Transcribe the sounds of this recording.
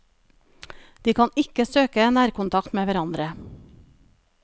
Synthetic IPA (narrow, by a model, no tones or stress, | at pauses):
d̪̥iːkʰɑːnɪkəsøːkəenæːɾkʊnt̪ʰɑkt̪meːʋæɾɑnd̪ɾə